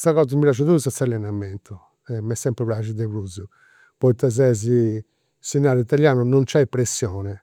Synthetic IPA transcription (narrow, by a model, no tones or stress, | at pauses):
saɣɔːzamipjaːt͡ʃ̬uðuusat̪salːɛnamɛnt̪ʰɔ | ɛmɛsːɛmpɾɛpɾaʃid̪eβɾuzu | pɔit̪ːaz̬ɛz̬i | sinːaːɾit̪aljaːnunɔnt͡ʃɛipɾesːjɔːnɛ